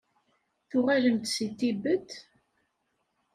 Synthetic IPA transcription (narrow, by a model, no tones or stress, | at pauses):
θʊʁæləmt̪sit̪ːibət̪ː